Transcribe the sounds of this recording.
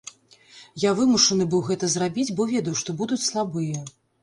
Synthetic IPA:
javɨmuʂɐnɨbɨwɣɛt̪ɐzrabʲid͡zʲbɔvʲɛd̪ɐwʂt̪ɔbud̪ut͡sʲslˠabɨjɐ

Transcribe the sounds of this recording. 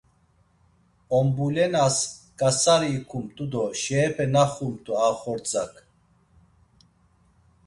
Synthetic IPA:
ɔmbulɛnas | kʼasaɾiːkʰumt̪ʼud̪ɔʃɛːpʰɛnaχumt̪ʼuaχɔɾt͡sʼakʰ

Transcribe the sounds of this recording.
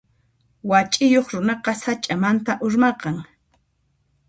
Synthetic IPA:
wat͡ʃʼɪjoχɾʊnɑqɑsat͡ʃʼamant̪aʔʊɾmɑqɑŋ

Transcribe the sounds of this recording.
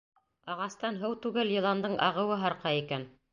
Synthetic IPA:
ɑʁɑst̪ɑnɦɤwt̪ʉɡæljɤ̆lˠɑnd̪ɤɴʔɑʁɤ̆wɤɦɑɾqɑikæn

